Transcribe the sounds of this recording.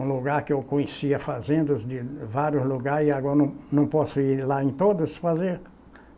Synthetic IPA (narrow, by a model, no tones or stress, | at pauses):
ũluɡaɾkɪewkõɲɪsiɐfazẽnd̪ɐzd̪ɪvaɾjʊzluɡaɾzɪaɡɔɾɐnɐ̃nɐ̃w̃pɔsʊiɾlaẽt̪od̪ɐsfazeɾ